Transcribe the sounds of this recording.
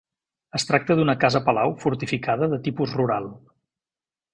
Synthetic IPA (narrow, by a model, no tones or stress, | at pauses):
əst̪ɾak̚t̪əðunəkazəpəlawfuɾt̪ifikaðəðət̪ipuzruɾalˠ